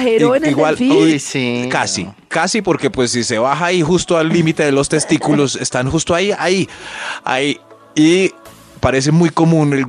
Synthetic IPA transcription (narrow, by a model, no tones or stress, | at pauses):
heɾneɣwaliojikasḭ | kasipo̞ɾke̞pwe̞sːise̞βaxaːixust̪oalːimit̪e̞ðelo̞st̪e̞st̪ikulo̞se̞st̪anxust̪oaia̰ia̰i | i | paɾe̞s̬emujko̞mũnel